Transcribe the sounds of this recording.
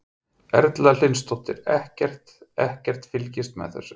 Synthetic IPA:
ɛɾt̪lalɪnst̪ʰɔht̪ɪɾɛhcɛr̥t̪ɛhcɛr̥t̪fɪlcɪst̪mɛ̰ðθɛ̰sːʏ

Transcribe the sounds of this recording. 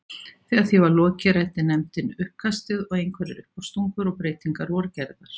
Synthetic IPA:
θiaθivaɾlɔːcɪɾajt̪ɪnɛmt̪ɪnʏhpkʰast̪ɪðɔɣejŋkʰvɛɾɪ̰ɾʔʏ̰hpɔwst̪uŋkʏɾɔɣpɾeːjt̪iŋkaɾɔːɾcɛɾðaɾ̥

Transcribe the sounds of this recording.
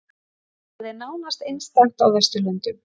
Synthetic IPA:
haðɛɾnaːwnast̪ejnst̪aŋ̥t̪awθɛst̪ʏlœnt̪ʏm

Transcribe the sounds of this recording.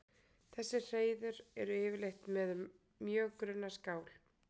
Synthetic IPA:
θɛsːɪr̥eːjðʏɾɛɾʏɪːvɪɾlejxt̪mɛð | mjœːɣkɾʏnːaskaːwl

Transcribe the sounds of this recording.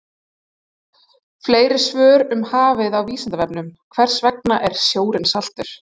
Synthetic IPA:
fleːjɾɪsvœːɾʏmhaːvɪðawviːsant̪avɛpnʏmkʰvɛr̥svɛk̚naʔɛɾ̥sjoːwɾɪnsal̥t̪ʏɾ̥

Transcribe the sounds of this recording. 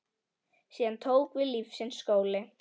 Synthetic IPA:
siːðant̪ʰoːwkvɪðlifsɪnsːkoːwlɪ

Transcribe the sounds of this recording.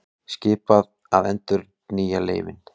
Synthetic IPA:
scɪːpað | aðɛnt̪ʏɾ | niːjalḛːjvɪn

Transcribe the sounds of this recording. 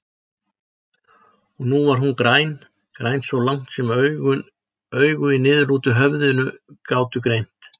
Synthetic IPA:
ɔɣnuvaɾɦunkɾajn | kɾajnsvɔwlaŋ̥t̪sɛmɣʏ | œːɥɣʏinɪðluːt̪ʏɦœvðʏnʏkaːwt̪ʏkɾejm̥t̪

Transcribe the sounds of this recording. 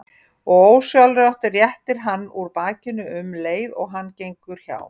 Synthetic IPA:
ɔɣoːwsjalɾawht̪ɪrjɛht̪ɪɾ̥ɦanːuɾpaːcɪnʏʏmleːjðɔɣɦanːcejŋkʏɾ̥ça̰ːw

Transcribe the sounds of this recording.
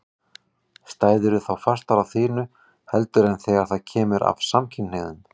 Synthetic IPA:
st̪aːjðɪɾʏθawfar̥t̪aɾawθiːnʏ | hɛlt̪ʏɾɛnθɛɣaɾ̥θaðcʰɛːmʏɾʔa̰vsamcʰɪneðʏn

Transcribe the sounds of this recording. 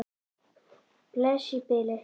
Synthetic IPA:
plaʃipele

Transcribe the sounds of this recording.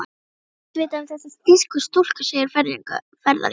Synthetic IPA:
veːt̪aθɛsast̪ɪskʏst̪ol̥kḁseːjɪɾfɛɾðiŋka̰ | fɛɾða̰

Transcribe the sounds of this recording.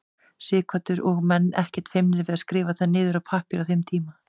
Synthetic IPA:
sɪːkʰvat̪ʏɾɔɣmɛnːɛhcɛ̥t̪fejmnɪɾvɪðaskɾɪːvaθanːɪːðʏɾawpʰahpɪɾawθejmt̪ʰiːma

